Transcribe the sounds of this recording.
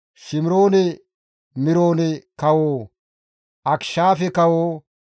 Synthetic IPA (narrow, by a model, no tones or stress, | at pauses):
ʃɪmɪɾoːnɛ | mɪɾoːnɛkɐwoː | ʔɐkʃaːfɛkɐwoː